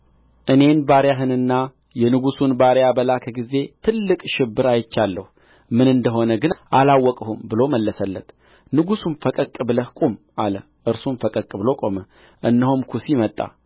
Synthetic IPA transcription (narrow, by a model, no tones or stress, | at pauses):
ʔɨne̞nbaɾjaɦɨnɨnːa | jɛnɨɡusunbaɾjabəlakʰəɡize̞t̪ʰɨlːɨkʼʃɪbːɨɾajɪt͡ʃːalːəhu | mɨnɨnd̪əɦo̞nəɡɨnʔalawːɔkʼəhumbɨlo̞məlːəsəlːət̪ | nɨɡusunfəkʼəkʼːɨbləhkʷʼum | alə | ʔɨɾsunfəkʼəkʼɨβlo̞kʼo̞mə | ʔɨnːəɦumkʰusimət̪ʼːa̰